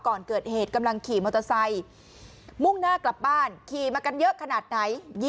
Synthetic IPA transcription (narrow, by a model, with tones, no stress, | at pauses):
kɔː˨˩nkɤː˨˩t̪̚heː˨˩t̪̚ka˧mla˧ŋkʰiː˨˩mo˧t̪ʰːa˧sa˧j | mu˥˩ŋnaː˥˩kla˨˩p̚baː˥˩nkʰiː˨˩maː˧ka˧njɤ˦˥ʔkʰa˧naː˨˩t̪̚na˨˦˥jː